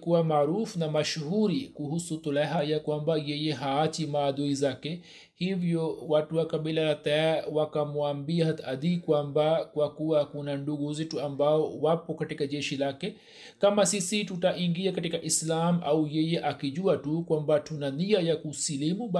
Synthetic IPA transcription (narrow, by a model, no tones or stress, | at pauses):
kuwamaːɾufnamaʃhuɾikuhusut̪ulaɦajakwambajɛjɛɦaat͡ʃimaːduizakɛ | hivjɔwatuwakaɓilalat̪awakamuambiahat̪ad̪ikwambakwakuwakunanduɡuzɛtuambaɔwapɔkatikaʄɛʃilakɛ | kamasisitutaʔiŋɡiakatikaʔislamaujɛjɛʔakiʄuatukwambatunaniajakusilimuɓ